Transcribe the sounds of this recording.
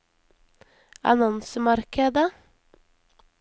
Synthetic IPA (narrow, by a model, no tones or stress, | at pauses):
ɑ̰nɔnsəmɑɾkəd̪ə